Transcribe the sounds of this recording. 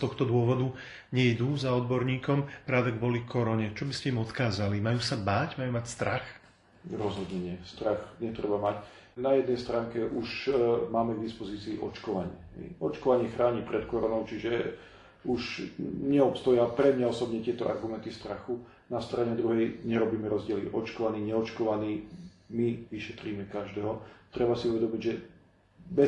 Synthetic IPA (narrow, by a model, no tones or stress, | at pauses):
st̪ɔxt̪ɔd̪ʊɔʋɔd̪u | ɲɛid̪uːzaɔd̪bɔɾɲiːkɔmpɾaːdɛɡbɔlifkɔɾɔɲɛt͡ʃɔbiscɛimɔt̪kaːzalimajuːsabaːcmajuːmacst̪ɾʔax | ɾɔzɦɔd̪ɲɛɲɪɛst̪ɾaxɲɛt̪ɾɛbamac | najɛd̪nɛjst̪ɾaːŋkɛʔuʃmaːmɛɡd̪ispɔziːt͡siːʔɔt͡ʃkɔʋaɲɪɛɦɛ̰jɔt͡ʃkɔʋaɲɪɛxɾaːɲipɾɛt̪kɔɾɔnɔʊt͡ʃiʒɛ | uʃɲɛɔpst̪ɔjapɾɛmɲaɔsɔbɲɛt̪ɪɛt̪ɔʔa̰ɾɡumɛnt̪ist̪ɾaxu | nast̪ɾaɲɛd̪ɾuɦɛjɲɛɾɔbiːmɛɾɔzɟɪɛlḭʔɔt͡ʃkɔʋaniːɲɛɔt͡ʃkɔʋaniː | miʋiʃɛt̪ɾiːmɛkaʒd̪ɛːɦɔt̪ɾɛbasiuʋɛd̪ɔmiɟʒɛ | bɛ